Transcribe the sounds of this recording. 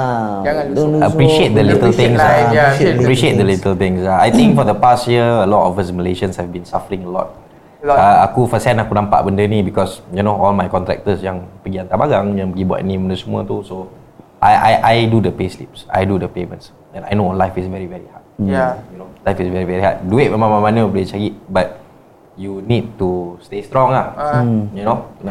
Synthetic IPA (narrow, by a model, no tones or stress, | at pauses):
əpɹiʃiet̪̚d̪əlit̪əlɪ̃ŋsaəpɹiʃiet̪̚d̪əlit̪əlt̪ɪ̃ŋsaajt̪ĩŋkfɔdəpastjiəəlɔtɔfəsməleʃə̃nshɛvbĩnsafəɹĩŋəlɔ̰t̚ | aakufəsɛ̃nakunampa̰ʔbəndənibikɔsjunoɔlmajkɔ̃nt̪ɾɛ̰k̚t̪əsjãŋpəɡiant̪abaɡaŋjãŋpəɡibua̰tnĩbəndəsəmuət̪uso | ʔajʔa̰jʔajdudəpeslḭp̚sa̰jdudəpemə̃nts | ɛ̃najnolajfisvɛɹivɛɹihat̚junolajfisvɛɹivɛɹiha̰t̚duɪt̚məmãmãmãnəwbɔlit͡ʃaɡiʔ̚bat̚ | junit̚tustest̪ɾɔ̃ŋahjuno